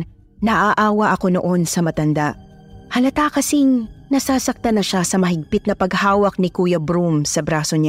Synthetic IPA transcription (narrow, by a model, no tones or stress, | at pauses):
nɐʔaʔaːwɐʔɐko̞no̞ʔo̞nsɐmɐt̪ɐnd̪aʔ | hɐlɐt̪aːkɐsɪŋnɐsaːsɐk̚t̪ɐnɐʃasɐmɐɦɪɡ̚pɪt̪̚nɐpɐɡhaːwɐk̚nɪkuːjɐbɾumsɐbɾaːsoɲa